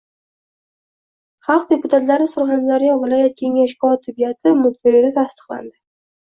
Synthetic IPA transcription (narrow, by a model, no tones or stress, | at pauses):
χɑlˠq̚d̪e̞pʊt̪ʰat̪laɾɪsʊɾχanzaɾijɒvɪlˠɒjat̪̚kʲʰe̞ŋaʃkɒt̪ʰːʊbijat̪ʰɪmʊk̚t̪ʰɪɾid̪at̪ʰast̪ɨ̥qlˠa̰nd̪ɪ